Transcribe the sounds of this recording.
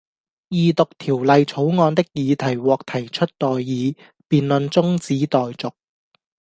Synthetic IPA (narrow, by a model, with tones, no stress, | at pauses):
jiː˨˧t̪ʊ˨k̚t̪ʰiː˨˩wlɐ˨jt͡sʰo˨˥wŋɔː˧nt̪ɪ˥k̚jiː˨˧t̪ʰɐ˨˩jwɔː˨˩k̚t̪ʰɐ˨˩jt͡ʃʰɵ˥t̚t̪ɔː˨jːiː˨˧ | piː˨nlɵ˧nt͡sʊ˥ŋt͡siː˨˥t̪ɔː˨jt͡sʊ˨k̚